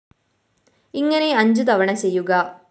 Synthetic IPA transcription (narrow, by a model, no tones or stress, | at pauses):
ɪŋɡɐneːɐɲd͡ʒut̪ɐʋɐɳɐsejːuɡaː